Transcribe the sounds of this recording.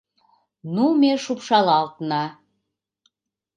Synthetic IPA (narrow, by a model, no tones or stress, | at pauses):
numeʃupʃɑlɑlt̪nɑ